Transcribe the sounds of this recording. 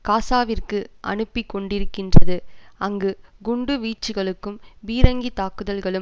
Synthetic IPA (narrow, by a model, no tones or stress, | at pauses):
kaːsaːʋɪrkɯʔɐ̰nɯpːɪkːɔɳɖɪɾɯkːɪndrɐðɯɐŋɡɯɡʊɳɖɯʋiːt͡ʃːɯɣɐɭɯkːɯmʋiːɾɐŋɡit̪aːkɯðɐlɣɐɭɯ